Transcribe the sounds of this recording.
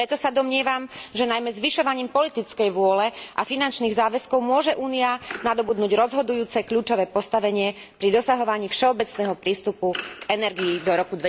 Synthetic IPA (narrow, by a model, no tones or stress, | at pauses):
pɾɛt̪ɔsad̪ɔmɲɪɛʋamʒɛnajmɛzʋiʃɔʋaɲiːmpɔlit̪it͡skɛjʋʊɔlɛʔa̰finant͡ʃniːɣzaːʋɛskɔʊmʊɔʒɛʔuːnianad̪ɔbud̪nuːɟɾɔzɦɔd̪ujuːt͡sɛkʎuːt͡ʃɔʋɛːpɔst̪aʋɛɲɪɛ | pɾid̪ɔsaɦɔʋaɲiːfʃɛɔbɛt͡snɛːɦɔpɾiːst̪upuɡɛnɛɾɡiːd̪ɔɾɔkud̪ʋɛ